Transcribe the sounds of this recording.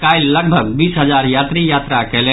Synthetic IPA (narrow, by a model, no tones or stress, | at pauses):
kaːɪlːɐɡ̚bʱəɡ̚biːsɦəzaːɾjaːt̪ɾijaːt̪ɾakɛɦle